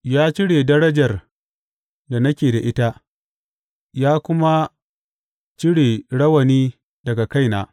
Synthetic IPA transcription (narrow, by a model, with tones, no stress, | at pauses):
jaː˦t͡ʃɪ˦ɽeː˨dɐ˦ɽɐ˦d͡ʒɐ˨r | da˨nɐ˦kʲeː˨da˨ʔɪ˦ta˦ | jaː˦kʷʊ˦ma˦ | t͡ʃɪ˦ɽeː˨ɽɐ˦wɐ˨niː˦ | dɐ˨ɡa˨ka˦jna̰ː˦